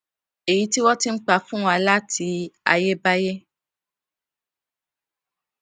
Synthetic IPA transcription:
e˨ji˨˦ti˦wɔ˦ti˦n̩˦k͡pa˧fũ˦wa˧la˦ti˧a̰˧je˦ba˦je˦

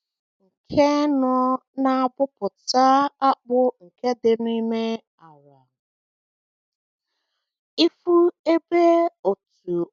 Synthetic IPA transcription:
ŋ̩˨kʰe˦nɔ˦ | na˦˨bʊ˦pʊ˨ta˦a˦k͡pʊ˦ŋ̩˨ke˦dɪ˨n˦i˦me˦ | a˨wa˨ | i˦fu˦e˦be˦o˨t | u˨

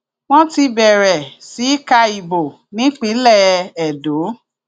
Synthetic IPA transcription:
w̃ɔ̃˦ti˧bɛ˨ɾɛ˨si˨˦i˦ka˧i˨bo˨ | nĩ˨˦k͡pĩ˨˦lɛ˦˨˧ɛ˨do˨˦

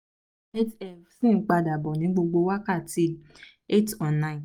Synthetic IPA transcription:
e˦tɛ˦˨fsĩ˦˨˦k͡pa˧da˨bɔ˨nĩ˨˦ɡ͡bo˧ɡ͡bo˧wa˦ka˦˨ti˧˦ | e˦tɔ̃˨nã˨˦˨

